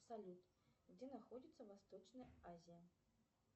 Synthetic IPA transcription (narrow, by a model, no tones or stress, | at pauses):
salʲut̪ | d͡zʲɛnaxɔd͡zʲit̪sːɐvast̪ɔt͡ʂnɐjazʲijɐ